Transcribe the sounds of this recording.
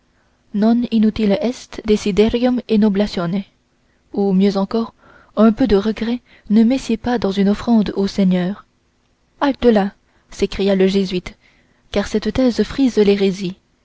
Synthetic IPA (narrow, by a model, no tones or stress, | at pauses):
nɔ̃ninyt̪ilɛst̪d̪esid̪ɛʁiɔmenoblasjɔnɛ | umjøzɑ̃kɔʁ | ə̃pød̪əʁəɡʁɛ | nəmɛsjepad̪ɑ̃zynɔfχɑ̃d̪osɛɲœːʁ | ald̪əla | sekχijaləʒezɥit̪ | kaʁsɛt̪t̪ɛzfχizleʁezi